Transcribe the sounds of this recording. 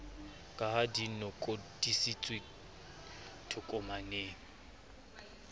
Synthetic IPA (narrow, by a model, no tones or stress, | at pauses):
kʼahadinɔkʼod̥isit͡sʼwɪ | tʰʊkʼɔmaneːŋ̩